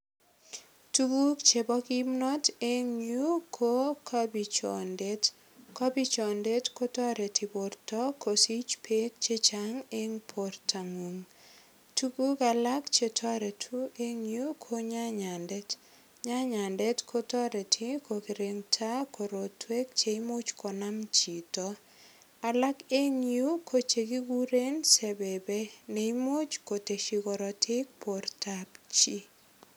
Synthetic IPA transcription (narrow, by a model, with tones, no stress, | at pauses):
tubu˦k̚t͡ʃe˨bɔ˦ki˦mnɔ˦te˦ŋu˦kʰokʰabi˨t͡ʃɔ̰˨ndet | kɔ˦bi˦t͡ʃɔ˨nde˦tkotɔ˦ɾe˨ti˨po˨rtɔ˦ko˨si˦t͡ʃpʰe˦k̚t͡ʃe˦t͡ʃaŋe˦ŋpʰo˨rtʰa˨ŋu˨ŋ | tubu˦ka˨la˦kt͡ʃe˨tʰɔ˦ɾe˨tʰu˦ʔe˦ŋju˦kʰoɲa˦ɲandɛ˦t | ɲa˦ɲa˨ndɛ˦tkʰo˦tɔ˦ɾɛ˨tʰɪ˦ko˨ki˨ɾeŋtʰa˦ko˨ɾo˨tʰwe˦k̚t͡ʃe˨i˦mo˦t͡ʃkɔ˨na˦mt͡ʃi˨tɔ | a˨la˦ke˦ŋju˦kʰo˦t͡ʃe˨ki˦ɡu˦ɾe˦nsɛ˨bɛ˨bɛ˦ne˨i˦mo˦t͡ʃko˨te˨ʃi˨kɔ˨ɾɔ˨tʰɪ˦k̚pʰo˨ɾtʰapt͡ʃi˦